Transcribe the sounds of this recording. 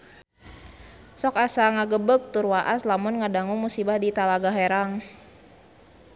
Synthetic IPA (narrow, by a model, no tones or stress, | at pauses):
sɔkasaŋaɡəbək̚t̪urwaʔaslamʊnŋadaŋuŋmusibahdit̪alaɡaɦɛɾaŋ